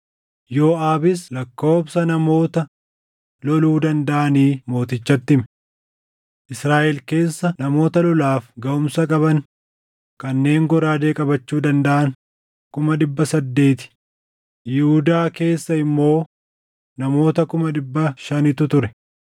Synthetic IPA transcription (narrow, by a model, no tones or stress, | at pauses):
joːʔaːbɪslɐkːo̞ːbsɐnɐmo̞ːt̪ɐ | lɔluːd̪ɐnd̪ɐʔɐniːmo̞ːt̪ɪt͡ʃːɐt̪ːɪmɛ | ʔɪsɾaːʔɛlke̞ːsːɐnɐmo̞ːt̪ɐlɔlaːfɡɐʔʊmsɐkʼɐbɐŋ | kɐnːe̞ːŋɡɔɾaːd̪e̞ːkʼɐbɐt͡ʃːuːd̪ɐnd̪ɐʔɐŋ | kʊmɐɗɪbːɐsɐd̪ːe̞ːt̪ɪ̥ | jɪhʊd̪aːke̞ːsːɐɪmːo̞ː | nɐmo̞ːt̪ɐkʊmɐᶑɪbːɐʃɐnɪt̪ʊt̪ʊɾɛ